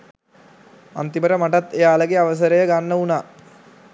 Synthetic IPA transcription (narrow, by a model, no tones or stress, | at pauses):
a̰nt̪iməʈəmaʈat̪ːejaːləɡeaʋəs̬əɾəjəɡanːəunaː